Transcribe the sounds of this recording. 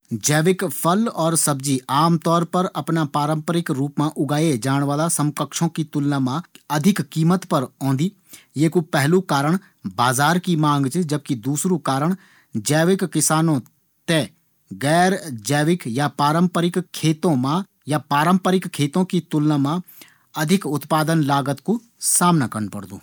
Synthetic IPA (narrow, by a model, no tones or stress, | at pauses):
d͡ʒɛːʋɪkpʰəlɔːɾsəbd͡ʒiːaːmt̪ɔːɾpəɾɐpnapaːɾə̃mpəɾɪkɾuːpmãʔʊɡaːed͡ʒaːɽ̃ʋaːlasə̃mkəkʃõkit̪ʊlnaːmãːɐd̪ʱɪkːiːmət̪pɐɾɔ̃ːnd̪iː | jeːkupɛɦlukaːɾəɽ̃ | baːzaːɾkimãːŋɡt͡ʃd͡ʒəb̚kid̪uːsɾõkaːɾəɽ̃ | d͡ʒɛːʋɪkːɪsaːnõ | t̪e | ɡɛːɾd͡ʒɛːʋɪkjapaːɾə̃mpəɾɪkkʰːeːt̪õmã | japaːɾə̃mpəɾɪkkʰːeːt̪õkit̪ʊlnamã | ɐd̪ʱɪkʊt̪paːd̪ənlaːɡət̪ko | saːmnakənpəɽd̪o̰ː